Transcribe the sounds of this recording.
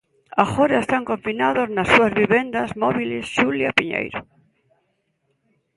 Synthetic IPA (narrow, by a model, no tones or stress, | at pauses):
axoɾaest̪aŋkõɱfinaðoznasːuazβiβend̪azmɔβ̞ilesʃuljapiɲḛjɾo